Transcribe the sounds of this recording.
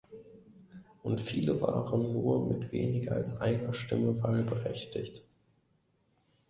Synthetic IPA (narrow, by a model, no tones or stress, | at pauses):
ʔʊntfiːləva̰ːʁənːuːɐmɪtv̥eːnɪɡɐalsʔaɪnɐʃtɪməvaːlbəʁɛçtʰɪçt